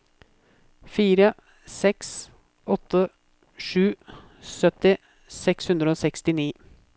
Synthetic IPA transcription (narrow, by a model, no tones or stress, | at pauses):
fiːɾə | sɛks | ɔt̪ʰːə | ʂʉː | sœt̪ːɪ | sɛkshʉnd̪ɾəoːsɛkst̪ɪniː